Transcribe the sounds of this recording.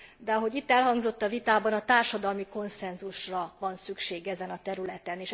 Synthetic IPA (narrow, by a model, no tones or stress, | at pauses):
d̪ɛɒɦo̞ɟit̪ːɛlɦɒŋɡzo̞t̪ːɒvit̪aːbɒnɒt̪aːrʃɒd̪ɒlmiko̞nsɛnzuʃrɒvɒnsykʃeːɡɛzɛnɒt̪ɛɾylɛt̪ɛneːʃ